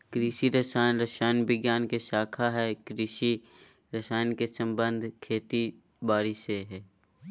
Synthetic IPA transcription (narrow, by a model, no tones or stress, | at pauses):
kɾiːʃiɾəsaːnɾəʃaːjnbɪɡjaːnkeʃaːkʰaɦɛkɾiːʃi | ɾɐsaːjnkesə̃mbə̃nd̪ʱkʰeːt̪i | baːɾiseɦɛː